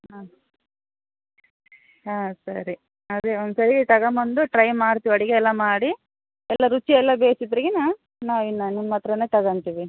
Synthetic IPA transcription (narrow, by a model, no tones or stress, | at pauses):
ɦaː | aːsɐɾi | ɐd̪eond̪sɐɾiɡet̪ɐɡɐmɐnd̪uʈɾɐjmaːɽt̪iːʋiɐɽiɡeɛlːɐmaːɽi | ɛlːɐɾut͡ʃːiɛlːɐbeːsid̪ɐɾiɡena | naːʋinːɐninmaːt̪ɾɐneːt̪ɐɡɐɳt̪iʋi